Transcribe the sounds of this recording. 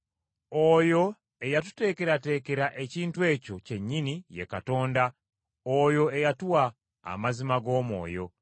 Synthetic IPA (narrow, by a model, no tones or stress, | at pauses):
ojo̞ | e̞jatu̥te̞ːke̞ɾate̞ːke̞ɾaʔe̞ciːntwe̞ːco̞ce̞ɲːinije̞̰kato̞ːnda | ojo̞e̞jatuwa̰ː | mazimaɡo̞ːmo̞̰ːjo̞̰